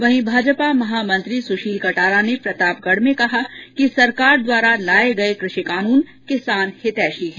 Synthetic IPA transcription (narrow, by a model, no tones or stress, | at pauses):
ʋɐɦĩbʱaːd͡ʒpamɐɦaːmɐ̃nt̪ɾisʊʃiːkɐʈaːɾanepɾɐt̪aːpkəɽmẽkɐɦakisɐɾkaːɾd̪waːɾalaːeɡɐekɾɪʃikaːnuːnkɪsaːnhɪt̪ɛːʃiɦɛ̃ː